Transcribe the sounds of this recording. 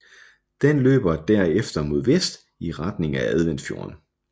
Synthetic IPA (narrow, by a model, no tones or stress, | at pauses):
d̥enlø̰ːb̥ɐd̥æɐ̰efd̥ɐmo̝ðˠʋesd̥ | iʁɑd̥ne̝ŋææð̞ˠʋen̰d̥fjo̝̰ːɐn